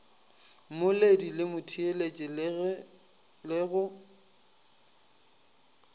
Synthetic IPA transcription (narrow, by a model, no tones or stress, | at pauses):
mʊledilɪmʊtʰielet͡ʃʼɪ | lɪɣʊ